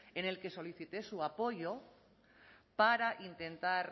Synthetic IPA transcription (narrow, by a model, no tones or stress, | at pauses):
e̞ne̞lke̞so̞liθit̪esuapo̞ʝo̞ | paɾaʔint̪e̞nt̪aɾ